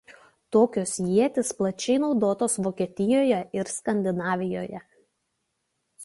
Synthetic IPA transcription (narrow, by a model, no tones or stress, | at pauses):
t̪oːkʲoːsjiɛt̪ʲɪsplˠɐt͡ʃʲɛɪnɒʊd̪oːt̪oːsʋoːkʲiɛt̪ʲɪjoːjɛɪɾskɐnʲd̪ʲɪnɑːʋʲɪjoːjɛ